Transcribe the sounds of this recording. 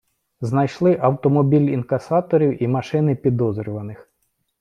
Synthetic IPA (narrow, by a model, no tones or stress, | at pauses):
znɐjʃlˠɪʔɐwt̪ɔmɔbʲilʲinkɐsɑt̪ɔɾʲiwimɐʃɪnɪpʲid̪ɔzɾʲʊʋɐnɪx